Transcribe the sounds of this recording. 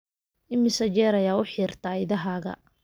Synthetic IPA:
ʔɪmɪsɐd͡ʒɛːɾɐjaːʊħiːrt̪ʰaːɪðɐɦaːɣɐ̰

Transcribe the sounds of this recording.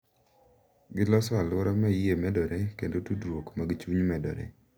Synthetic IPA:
ɡɪlɔsɔalʊɾɔmajemɛdɔɾekendotudɾwokmaɡɪt͡ʃuɲmɛdɔ̰ɾḛ

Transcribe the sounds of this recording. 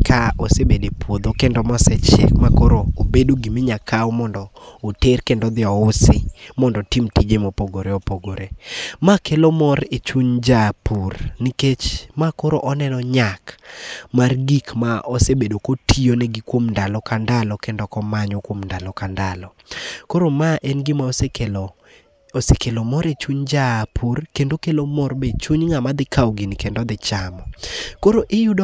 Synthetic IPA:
kʰaosebedepwod̪okendɔmɔsɛt͡ʃɛ̰kmakoɾoobedoɡimɪɲakʰaomɔndɔːterkendɔd̪ɪɔsɪmɔndɔtimtid͡ʒemopoɡoɾeopoɡoɾemakelomɔɾet͡ʃuɲd͡ʒapurniket͡ʃmakoɾoʔɔnɛnɔɲakmarɡikmaʔɔsebedokotʰionɛɡikwomndalɔkandalɔkendɔkɔmaɲɔkwomndalɔkandalɔkoɾomaʔenɡɪmasekel | osekelomɔɾet͡ʃuɲd͡ʒapʰurkendokelomɔrbet͡ʃuɲŋamad̪ɪkʰawɡinkendɔd̪ɪt͡ʃamɔkoɾoʔɪjudɔ

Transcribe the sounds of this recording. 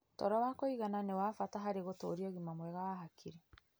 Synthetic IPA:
tɔɾɔwakoiɣananewafataɦaɾeɣotoːɾiɔɣimamwɛɣawaɦakʰiɾe

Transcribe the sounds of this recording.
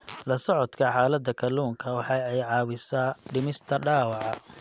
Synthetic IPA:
lɐsɔʕɔd̪kʰɐħɑːlɐd̪ɐkʰɐluːŋkʰɐwɑħɑɛjʕɑːwɪsaːɖɪmɪst̪ʰɐɖaːwɑʕɑ

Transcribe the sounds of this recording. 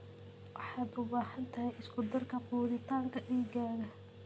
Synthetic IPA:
wʔɑħɑːd̪ʊbaːhɐnt̪ʰɐɦɛjʔɪskʰʊd̪ɐrkʰɐquːðɪt̪ʰaːŋkʰɐʔiːɡaːɾɐ

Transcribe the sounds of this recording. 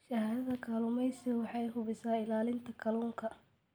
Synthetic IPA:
ʃɐhaːðɐðɐkʰaːlʊmɛjsɪwɑħɑjɦʊβɪsaːɪlaːlɪnt̪ʰɐkʰɐluːŋkʰɐ

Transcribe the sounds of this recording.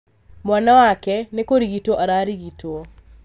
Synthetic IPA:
mwanawakɛnekoɾiɣitoʔaɾaɾiɣitwo

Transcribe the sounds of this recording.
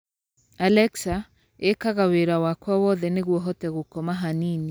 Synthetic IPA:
alɛksa | ekaɣaweɾawakwawɔðɛneɣwɔɦɔtɛɣokɔmaɦanini

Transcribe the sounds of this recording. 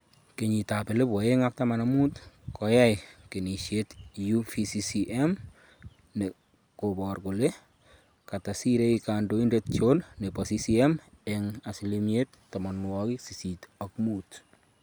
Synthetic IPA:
keɲitapelebwɔeŋak̚tamanamutkɔjajkeniʃjetjufisisiʔem | ne | kobɔɾkole | katasiɾeikandoindet̚t͡ʃonnepɔsisiem | eŋasilimjet | tːɔmɔnwɔkisisitakmuːt

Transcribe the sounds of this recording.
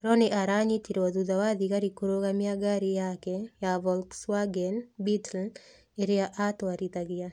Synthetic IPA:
ɾɔneʔaɾaɲitiɾad̪ud̪awad̪ikaɾikoɾokamɪaɡaɾijakɛjavɔlkswaɡɛnbitɛl | eɾɪaʔat̪waɾit̪aɡɪja

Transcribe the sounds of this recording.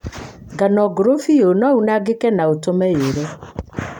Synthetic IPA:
ɡanɔɡoɾofijonɔunaɡekɛnaotomɛjeɾɛ

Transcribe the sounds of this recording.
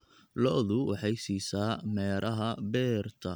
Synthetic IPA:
lɔʔðʊwɑħɑjsiːsaːmɛːɾʔɐɦɐbɛːrt̪ʰɐ

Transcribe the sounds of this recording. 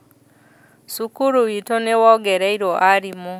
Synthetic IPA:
sukuɾuwitonewɔɡɛɾɛiɾoʔaɾimo

